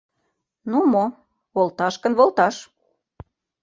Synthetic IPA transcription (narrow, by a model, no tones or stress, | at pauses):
numo | βolt̪ɑʃkə̆nβolt̪ɑʃ